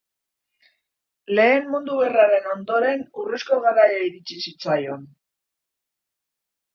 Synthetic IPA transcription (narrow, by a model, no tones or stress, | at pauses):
le̞ːmmund̪uβe̞raɾe̞no̞nd̪o̞ɾe̞nuresko̞ɣaɾajaiɾit͡sisit͡sajo̞n